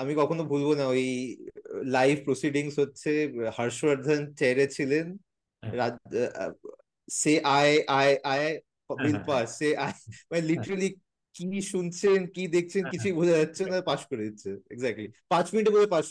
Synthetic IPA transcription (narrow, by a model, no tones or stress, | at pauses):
amikɔkʰonobʱulbonaoj | lajfpɾosiɖiŋsɦotːɕʰehəɾʃwaɾd̪ʱant͡ɕɛɾet͡ɕʰilen | ɾa | seʔaeʔaeʔae | bilpasːeʔaemaneliʈəɾali | kiʃunt͡ɕʰenkid̪ek̚ʰt͡ɕʰenkit͡ɕʰujbʱud͡ʑad͡ʑatːɕʰenapaʃkoɾed̪it̪ːt͡ɕʰeḛɡzɛk̚ʈlipãt͡ɕminiʈ̬ebolʱepaʃ